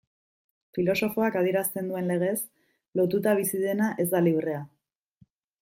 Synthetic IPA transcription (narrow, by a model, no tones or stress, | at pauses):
filo̞so̞fo̞akað̞ie̞ɾast̪e̞nd̪ue̞nle̞ɣ̞e̞s | lo̞t̪ut̪aβ̞isið̞e̞naʔe̞zd̪aliβre̞a